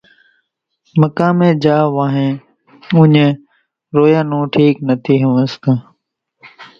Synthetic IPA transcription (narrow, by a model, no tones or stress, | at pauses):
məkãːmẽːd͡ʒaːʋaːɦẽː | ʊɲẽː | ɾoːjãːnõːʈʰiːknət̪ʰiːɦəʋəst̪ə